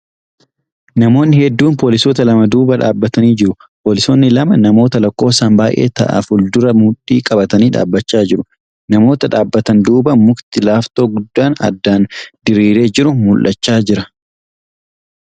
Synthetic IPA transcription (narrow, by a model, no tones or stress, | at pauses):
nɐmo̞ːnːɪhɛd̪ːuːnpo̞ːlɪsoːt̪ɐlɐmɐd̪uːbɐᶑa̰ːbːɐt̪ɐniːd͡ʒɪɾʊ | po̞ːlɪsoːnːɪlɐmɐnɐmo̞ːt̪ɐlɐkːo̞ːsambaːjʔe̞̰ːt̪ɐ̰ʔɐ̰fʊld̪ʊɾɐmʊᶑiːkʼɐbɐt̪ɐniːᶑa̰ːbːɐt͡ʃːaːd͡ʒɪɾʊ | nɐmo̞ːt̪ɐᶑaːbːɐt̪ɐnd̪uːbɐmʊkt̪ɪlaːft̪o̞ːɡʊd̪ːaːnɐ̰d̪ːaːnd̪ɪɾiːɾe̞ːd͡ʒɪɾʊmʊlʔɐt͡ʃːaːd͡ʒɪɾɐ